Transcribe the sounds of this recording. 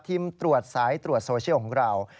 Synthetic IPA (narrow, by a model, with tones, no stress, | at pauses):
t̪ʰi˧mt̪ɾu˨˩ət̪̚saː˩˦˥jt̪ɾu˨˩t̪̚soː˧t͡ɕʰi˥kʰɔː˨˩˦ŋɾa˧˩w